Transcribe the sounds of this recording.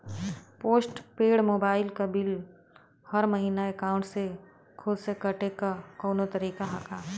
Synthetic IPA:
poːsʈpeːɽmoːbaːɪlkabɪl | hɐɾmɐɦiːnaeːkaːʊ̃ɳʈse | kʰʊlsekɐʈekakɔːnot̪ɐɾiːkaɦɐkʰaː

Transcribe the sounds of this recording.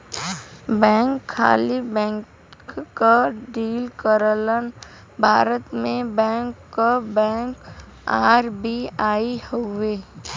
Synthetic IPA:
bɛ̃ːŋkʰːa̰ːlibɛ̃ːŋk | kaɖiːlkəɾələn | bʱaːɾət̪mẽbɛ̃ːŋkːabɛ̃ːŋk | aːɾbiaːihoʋeː

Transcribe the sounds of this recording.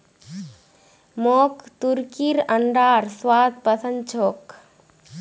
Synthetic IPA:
moːkt̪uɾkiɾɐɳɖaːɾswaːd̪̚pəsə̃nd̪̚t͡ʃʰoːk

